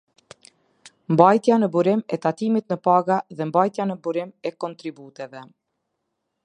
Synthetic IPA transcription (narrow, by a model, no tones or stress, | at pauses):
mbajt̪janəbuɾɪmɛt̪at̪imit̪nəpaɡaðɛmbajt̪janəbuɾɪmɛkɔnt̪ɾibut̪ɛvɛ